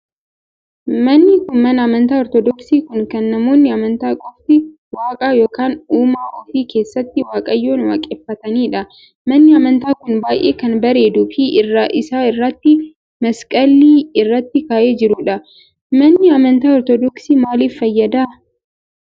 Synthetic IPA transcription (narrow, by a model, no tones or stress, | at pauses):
mɐnːɪkʊnmɐnɐɐmɐnt̪aːɔɾt̪ɔd̪ɔksiːkʊnkɐnːɐmo̞ːnːɪɐmɐnt̪aːkʼɔft̪ɪ | waːkʼaːjo̞ːkaːnuːmaːʔofiːke̞ːsːɐt̪ːɪwaːkʼɐjːo̞ːnwa̰ːkʼɛfːɐt̪ɐniːᶑɐ | mɐnːɪɐmɐnt̪aːkʊnbaːjʔe̞ːkɐnbɐɾe̞ːd̪ʊfiːʔɪrːaʔɪsaːɪrːɐt̪ːɪ | mɐskʼɐlːiːɪrːɐt̪ːɪkaːʔe̞ːd͡ʒɪɾʊᶑɐ | mɐnːɪɐmɐnt̪aːɔɾt̪ɔd̪ɔksiːmaːliːfːɐjːɐd̪aː